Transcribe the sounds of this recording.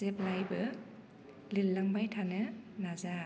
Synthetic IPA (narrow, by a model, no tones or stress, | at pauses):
sep̚lajbɯ | lilːaŋbajtʰanɯnaza